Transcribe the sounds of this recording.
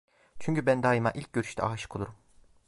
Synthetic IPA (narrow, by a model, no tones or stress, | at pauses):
t͡ʃʰyɲcybænd̪aːjimaʔilʲc̚ɟøɾyʃt̪ʰɛ̰aːʃɯ̥kʰolˠuɾum